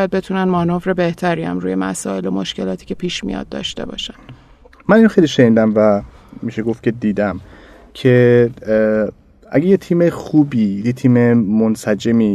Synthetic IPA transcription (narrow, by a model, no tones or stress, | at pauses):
jæd̪̚be̞t̪ʰunænmɒnofɾe̞be̞ht̪ʰæɾiːæ̰mɾṵːje̞mæ̰sɒːe̞lo̞moʃce̞lɒːt̪ʰi̥ːcʰe̞pʰiːʃmḭjɒ̰d̪̚d̪ːɒ̰ʃt̪e̞̰bɒ̰ːʃæn | mæniːnoxejliʃe̞niːd̪æmvæ | miːʃeɡoft̪cʰe̞d̪iːd̪æm | cʰe | ʔæ̰ɡejet̪ʰiːmexuːbiːjet̪ʰiːmemonsæd͡ʒemi